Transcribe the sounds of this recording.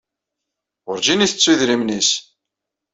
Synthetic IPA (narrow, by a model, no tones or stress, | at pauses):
ʊɾd͡ʒiniθət͡sːuðɾimnis